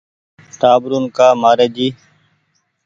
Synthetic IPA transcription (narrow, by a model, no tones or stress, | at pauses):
ʈ̪aːbɾuːnkaːmaːɾẽːd͡ʒiː